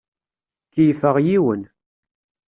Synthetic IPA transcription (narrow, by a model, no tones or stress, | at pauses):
kːijfəʁjiwən